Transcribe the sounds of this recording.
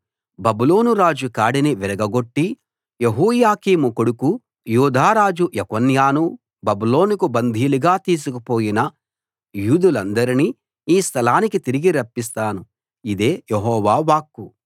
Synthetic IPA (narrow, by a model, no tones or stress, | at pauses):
bɐbuloːnuɾaːd͡ʒukaːɽiniʋiɾɐɡɐɡo̞ʈːi | jeɦuːjaːkiːmukoɽuku | juːd̪ʱaːɾaːd͡ʒuʔjɐkɐnjaːnu | bɐbulo̞ːnukubɐnd̪ʱiːluɡaːt̪iːs̬ukɐpo̞ːjinɐ | juːd̪ulɐnd̪ɐɾiniː | iːst̪ʰɐlaːnikit̪iɾiɡiɾɐpːist̪aːnu | id̪e̞ːjeɦɔːʋaːʋaːkːu